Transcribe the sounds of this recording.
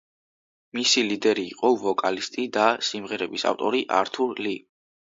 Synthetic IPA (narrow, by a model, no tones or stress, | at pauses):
misilid̪ɛɾḭːqʼɔvɔkʼalist̪ʼid̪asimʁɛɾɛbisa̰ft̪ʼɔɾiʔaɾt̪ʰuɾli